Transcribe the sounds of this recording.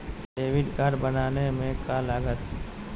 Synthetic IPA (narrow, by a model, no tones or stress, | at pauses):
ɖeːʋɪɖkəɾbənaːnemẽkaləɡət̪